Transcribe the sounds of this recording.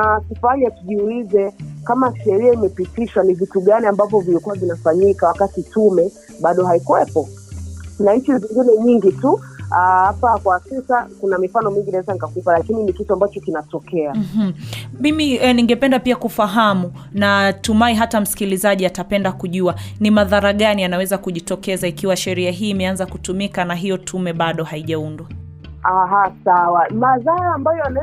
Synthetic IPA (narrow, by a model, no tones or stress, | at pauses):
akufaɲatuʄiulizɛkamaʃɛɾiaimɛpitiʃwanivituɠaniambavɔvilikuwavinafaɲikawakatitumɛ | ɓaɗɔhaikuwɛpɔ | naɲt͡ʃiziŋɡinɛɲiŋɡituahapakwasisakunamifanɔmiŋɡinaɛzanikakupalakininikituambat͡ʃɔkinatɔkɛam̩ɦm̩mimiɛniŋɡɛpɛndapiakufaɦamu | natumaiɦatam̩si̥kilizaʄiatapɛndakuʄuanimaðaɾaɠanianawɛzakuʄitɔkɛzaikiwaʃɛɾiaɦiːmɛanzakutumikanaɦijɔtʰumɛɓaɗɔhaiʄaundwa | aɦasawamaðaɾaːmbajɔanɛ